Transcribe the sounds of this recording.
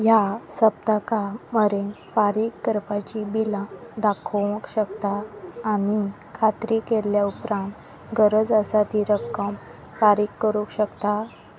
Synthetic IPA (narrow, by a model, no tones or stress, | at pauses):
jasəb̚t̪akaməɾenfaɾikːəɾpat͡ɕibilãd̪akʰə̃kɕəkt̪aːni | kʰat̪ɾikeljaupɾãnt̪ | ɡəɾəd͡zəsat̪iɾəkːəm | faɾikːəɾũkɕəkt̪a